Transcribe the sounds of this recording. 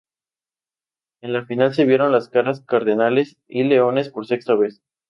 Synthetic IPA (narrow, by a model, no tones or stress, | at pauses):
e̞nlafinals̬e̞βje̞ɾo̞nlaskaɾaskaɾðenale̞s | ile̞o̞ne̞spo̞ɾse̞kst̪aβe̞s